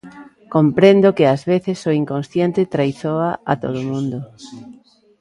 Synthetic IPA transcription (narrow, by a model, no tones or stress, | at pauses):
kompɾend̪okɪazβeθɪsoiŋkonsθjent̪ɪt̪ɾajθoaat̪oð̞omũnd̪ʊ